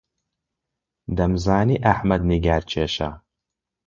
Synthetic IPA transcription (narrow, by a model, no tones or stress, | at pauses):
d̪ɐmzaːniːʔɐħmɐd̪niɡaːɾt͡ʃʰeːʃa̰